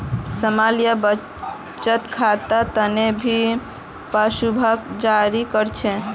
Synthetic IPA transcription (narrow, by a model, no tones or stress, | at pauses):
səmalijabə | t͡ʃət̪kʰat̪at̪ənebʱi | pasubʱəkd͡ʒaɾikəɾt͡ʃʰe